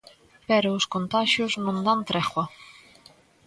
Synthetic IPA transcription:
pɛɾʊːskont̪aʃjʊznõnd̪ant̪ɾɛχwɐ

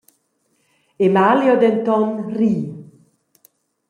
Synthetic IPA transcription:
emaljod̪ɛnt̪ɔnriː

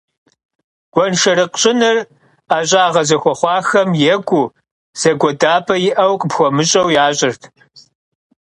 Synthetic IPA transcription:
ɡ̥ʷɔnʃɐɾɨqɕʼɪnɨr | aːɕʼaːʁɐzɐxʷɔχʷɑːxɐmjɛɡʷuː | z̥ɐɡʷɔdaːpʰʼɐjɪʔɐwqʼpxʷɔmɨɕʼɐwjaːɕʼɪrtʰ

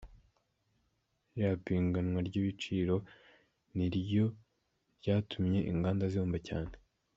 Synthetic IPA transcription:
japiːŋɡanŋwaɾɟiβit͡ʃiːɾo̞ | niɾjo̞ | ɾɟaːtʰumɲe̞ʔḭŋɡaːndazoːmbaca̰ːn̥e

